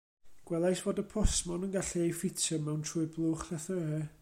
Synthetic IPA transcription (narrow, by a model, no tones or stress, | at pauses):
ɡ̥wɛlˠajsvoːdəpʰɔsmɔnənɡaɬiejfɪtʰəmɛwntʰruːɨblˠʊːχðɛθəə